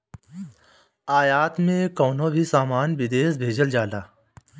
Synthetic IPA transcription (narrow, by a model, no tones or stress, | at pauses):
aːjaːt̪mẽkɔːnõbʱisaːmaːnʋɪd̪eːsbʱeːd͡ʒəld͡ʒaːlaː